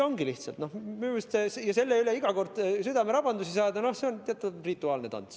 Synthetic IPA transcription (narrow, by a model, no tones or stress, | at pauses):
o̞ŋɡiliht̪sɑ̰lt̪no̞hminumist̪ːesjɑse̞lːeyleiɡɑko̞rd̪̥syd̪ɑmeɾɑb̥ɑnd̪usisɑːd̪̥ɑno̞hse̞ont̪eɑt̪ːˑurit̪ːˑuɑːlne̞t̪ɑ̰nt̪s